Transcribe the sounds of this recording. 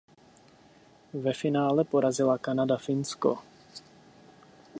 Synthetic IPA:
vɛfɪnaːlɛpo̞ɾazɪlakanadafɪnsko̰

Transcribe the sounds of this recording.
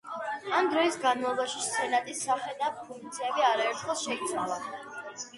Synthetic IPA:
amd̪ɾɔisɡanmalˠɔbaʃist̪sʰɛnat̪ʼisːaχɛd̪apʰuŋk̚t̪sʰiɛbiaɾaɛɾt̪ʰχɔsʃɛit̪sʼalˠa

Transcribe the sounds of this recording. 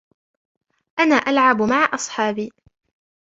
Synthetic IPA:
ʔanaːʔalʕabmaʕaʔɑsˤħɑːbiː

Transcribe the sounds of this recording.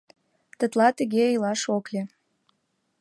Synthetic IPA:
t̪ə̆t̪lɑt̪ə̆ɣeəjlɑʃoklʲe

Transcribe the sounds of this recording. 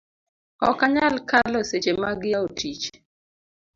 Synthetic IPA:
ɔkaɲalkalɔset͡ʃemaɡɪjaotit͡ʃ

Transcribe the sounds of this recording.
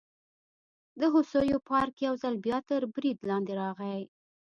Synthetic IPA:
d̪əɦʊsojopɑɾkjawzalbjɑt̪əɾbɾid̪lɑnd̪eɾɑɣaj

